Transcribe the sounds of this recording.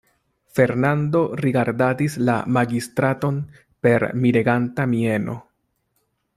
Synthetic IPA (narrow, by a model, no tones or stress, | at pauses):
fe̞ɾnando̞ɾiɡaɾdadisla̰maɡistɾato̞n | pe̞ɾmiɾeɡantamie̞no̞̰